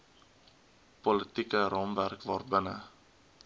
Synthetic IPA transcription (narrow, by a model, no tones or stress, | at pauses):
polətikəɾɔmværkvɑːrbənə̰